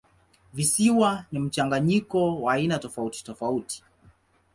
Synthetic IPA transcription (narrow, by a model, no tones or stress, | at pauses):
visiwanim̩t͡ʃaŋɡaɲikɔwaːinatɔfauti̥tɔfauti̥